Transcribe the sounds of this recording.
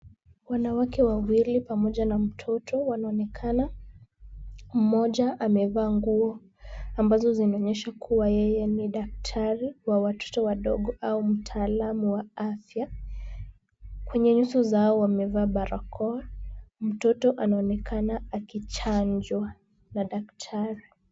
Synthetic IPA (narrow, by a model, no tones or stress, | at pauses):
wanawakɛwawilipamɔʄanam̩tʰɔtʰɔwanaɔnɛkʰana | m̩mɔʄaʔamɛvaːŋɡuɔ | ambazɔzinaɔɲɛʃakʰuwajɛjɛniɗak̚tʰaɾiwawatʰɔ̥tɔwaɗɔɠɔʔaum̩tʰaːlamuwaafja | kwɛɲɛɲusɔzaɔwamɛvaːɓaɾakʰɔam̩tɔtɔʔanaɔnɛkʰanaakit͡ʃaɲd͡ʒwa | naɗaktʰaɾi